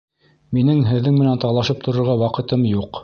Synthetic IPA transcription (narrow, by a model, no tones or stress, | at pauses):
minɘŋɦɘ̆ðːɘŋmɘ̆nænt̪ɑlˠɑʃɤp̚t̪ʰŏɾŏɾʁɑwɑqɤ̆t̪ɤmjuq